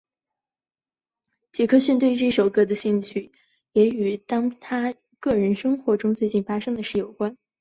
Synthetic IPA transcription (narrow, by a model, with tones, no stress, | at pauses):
t͡ɕjɛ˧˥kʰɤ˥ɕy˥˧nt̪we˥˧ɪʈ͡ʂʂo˨˩ʊkɤ˥˩d̪ə˩ɕi˥˧ŋt͡ɕʰy˥˩ | jɛ˧˥y˨˩t̪ɑ˥ŋt̪ʰa˥ | kɤ˥˩ɻə˧˥nʂɤ˥ŋxwɔ˧˥ʈ͡ʂʊ˥ŋt͡swe˥˧ɪt͡ɕi˥˩nfa˥ʂɤ˥ŋd̪ə˨ʂɻ̩˥˩jo˨˩ʊkwa˥n